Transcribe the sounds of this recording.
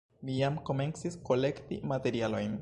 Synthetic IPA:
mijamko̞me̞nt͡sisko̞le̞ktḭmate̞ɾialo̞jn

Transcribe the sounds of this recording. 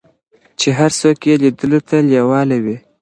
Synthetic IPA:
t͡ʃeɦaɾsokjelid̪əlot̪ʰaljawɑlawi

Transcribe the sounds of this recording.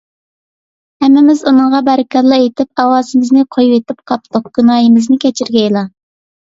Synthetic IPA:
hɛmːɪmɪzunɨɴʁɑbæɾɪkʰʲɑɾlˠɑet̪ɪp̚ɑwɑːzɨmɪznɪqʰojwet̪ɪp̚qʰɑp̚t̪ʊq̚ɡ̥ʲynɑːjimɪznɪkʲʰɛt͡ʃʰiɾɡʲɛilˠɑ

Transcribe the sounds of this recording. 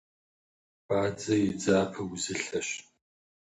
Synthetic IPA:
b̥aːd͡zɐjɪd͡zaːpʰɐwʊzɨɬɐɕ

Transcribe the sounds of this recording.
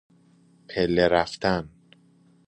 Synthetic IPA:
pʰelːeɾæft̪ʰæn

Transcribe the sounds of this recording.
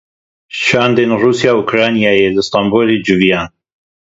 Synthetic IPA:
ʃaːnd̪enruːsjaːukɾaːnijaːjelɐst̪aːmbolid͡ʒuvijaːn

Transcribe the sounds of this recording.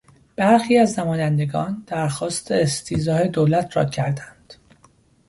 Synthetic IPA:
b̥æɾxiːæznæmɒːjænd̪e̞ɡɒ̰ːnd̪̥æɾxɒːst̪e̞ːst̪ʰiːzɒːhe̞d̪olæt̪ʰɾɒ̰ːcʰæɾd̪ænd̪̥

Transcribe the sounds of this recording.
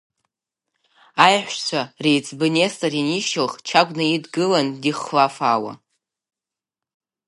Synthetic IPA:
ajħʷt͡ʃʷʰarejt͡sʼʰbɨnestʼariniʃɨlχt͡ʃʰaɡʷʼnaidɡɨlandiχlafaːwa̰

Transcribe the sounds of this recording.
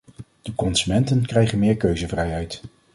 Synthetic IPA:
d̥əkɔnsymɛntənkrɛjχənmɪːɹkøɥzəvrɛjɦɛjt

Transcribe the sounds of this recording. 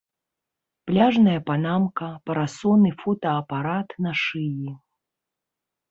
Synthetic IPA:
plʲaʐnɐjɐpanamkɐpɐɾasɔnɨfɔt̪ɐːpaɾat̪nɐʂɨji

